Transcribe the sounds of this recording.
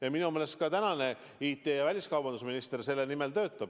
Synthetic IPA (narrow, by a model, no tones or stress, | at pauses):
jɑminume̞ːle̞st̪̚kɑt̪ænɑne̞ | iːt̪ːˑe̞ːjɑvælʲiskɑwbɑnd̪us̬minist̪erse̞lːe̞nime̞lt̪ø̞ːt̪ːˑɑb̥